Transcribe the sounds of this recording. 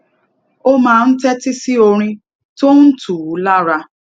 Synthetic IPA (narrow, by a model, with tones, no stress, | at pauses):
o˦mãː˨˦n̩˦tɛ˦ti˦si˦o˧ɾ̃ĩ˧ | to˦n̩˦tu˨u˨˦la˦ɾa˧